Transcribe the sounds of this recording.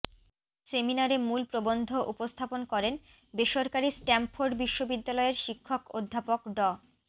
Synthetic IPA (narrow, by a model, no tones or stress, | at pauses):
seminaɾemulpɾobond̪ʱoʔupost̪ʰaponkɔɾen | beʃoɾkaɾisʈɛmpfoɾɖbiʃːobid̪ːalɔeɾʃikʰːokod̪ʱːapokɖɔ